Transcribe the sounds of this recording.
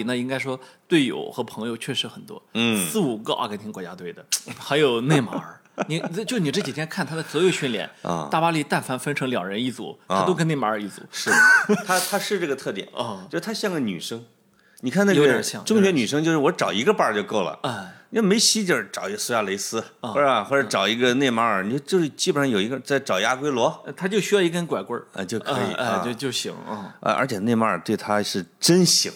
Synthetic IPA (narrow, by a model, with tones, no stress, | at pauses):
na˥˧i˥ŋka˥ɪʂwɔ˥t̪we˥˩ɪjo̰˨˩˦ʊxɤ˧˥pʰɤ˧˥ŋjo˧ʊt͡ɕʰɥɛ˥˩ʂɻ̩˧˥xə˨˩nt̪wɔ̰˥˩sɹ̩˥˩u˨˩ɡə˧ʔa̰˥˧˩ka˥t̪ʰŋkwɔ˧˥t͡ɕja˥t̪we˥˩ɪd̪ə˩xa˧˥ɪjo˨˩ʊne˥˩ɪma̰˥˧˥ | ni˧˥t͡ɕjo˥˧ʂni˨˩ʈ͡ʂɤ˥˩t͡ɕi˨˩t̪ʰjɛ˥nkʰa˥˩nt̪ʰa˥d̪ə˨˩swɔ˧˥jo˧˩ʊɕy˥nljɛ̰˧˩˦n̰˧t̪a˥˩pa˥li˥˧t̪a˥˩nfa˥nfə˥nʈ͡ʂʰɤ˧˥ŋljɑ˨˩ŋɻə˧˥ni˥˩t͡sṵ˨˩˦tʰa˥t̪o˥ʊkə˥ne˥˩ɪma˧˥˧i˥˩t͡sṵ˨˩˦ʂɻ̩˥˩d̪t̪ʰa˥t̪ʰa˥ʂɻ̩˥˧ʈ͡ʂɤ˥˩ɡə˩t̪ʰɤ˥˩t̪jɛ̰˨˩˦nɔ˥˧˩ʊʂɻ̩˥t̪ʰa˥ɕjɑ˥˩ŋɡə˩ny̰˨˩ʂɤ˥ŋ | ni˨˩kʰa˥˧na˥˩ɡŋʈ͡ʂʊ˥ŋɕɥɛ˧˥ny˨˩ʂɤ˥ŋt͡ɕjo˥˧ʊʂɻ̩˥˩wɔ˧˥ʈ͡ʂɑ˨˩ʊi˧˥ɡə˧pa˥˧t͡ɕjo˥˧ʊko˥˩ʊlə̰˩˧˨me˧˥ɪɕi˥t͡ɕjo˥˧ʂ̩˥˩ʈ͡ʂɑ˨˩ʊi˧˥ɡə˧su˥ja˥˩le˧˥ɪsɹ̩˥˩wɔ˥˧˩xwɔ˥˩ʈ͡ʂɤ˧˥ʈ͡ʂɑ˨˩ʊi˧˥ɡə˧ne˥˩ɪma˧˥˨o˥˧˥t͡ɕjo˥˧ʊʂɻ̩˥˩t͡ɕi˥˩bə˨˩nʂɑ˥˩jo˨˩i˧˥ɡə˧t͡sa˥˩ɪʈ͡ʂɑ˨˩ʊja˥kwe˥ɪlwɔ˧˥˧t̪ʰa˥t͡ɕjo˥˧ʊɕy˥jɑ˥˧ʊi˧˥kə˥nkwa˨˩ɪkwə˥ɐ̰˧˩t͡ɕjo˥˩ʊkʰɤ˧˥ḭ˨˩˧t͡ɕjo˥˩ʊɕḭ˧˥ŋ˥˩ə̰˧ʔə̰˞˧˥t͡ɕʰɛ˨˩ne˥˩ɪma˧˥˩t̪we˥˩ɪt̪ʰa˥ʂɻ̩˥˩ʈ͡ʂə˥nɕi˧˥ŋ